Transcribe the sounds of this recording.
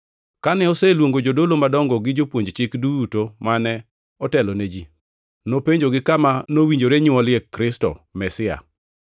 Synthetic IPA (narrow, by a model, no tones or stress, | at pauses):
kanɛɔsɛlwoŋɡod͡ʒodolomadɔŋɡɔɡɪd͡ʒopwoɲd͡ʒt͡ʃɪkdujutomanɛ | ɔtɛlɔned͡ʒi | nopeɲd͡ʒoɡɪkamanowiɲd͡ʒoɾeɲʊɔlɪɛkɾɪstɔ̰mɛsɪa̰